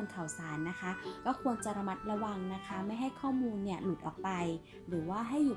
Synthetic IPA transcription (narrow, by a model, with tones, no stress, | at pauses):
nkʰa˨˩wsaː˩˦nːa˦˥kʰa˦˥kɔː˥˩kʰu˧ənt͡ɕa˨˩ʔɾa˧ma˦˥t̪̚ɾa˧wa˧ŋna˦˥kʰa˦˥ma˥˩jɦa˥˩jkʰɔː˥˩muː˧nːi˥˩əlu˨˩t̪̚ʔɔː˨˩k̚pa˧j | ɾɯː˩˦waː˥˩ɦa˥˩jːu˨˩